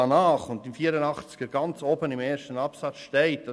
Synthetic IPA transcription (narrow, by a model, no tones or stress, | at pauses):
ɑnɑːχʊntɪmfiːəɾənɑχt͡sɡ̥əɾɡ̥ɑnt͡sobənimeːɾʃtənɑpsɑt͡sʃtɛɪt̚d̥ɑ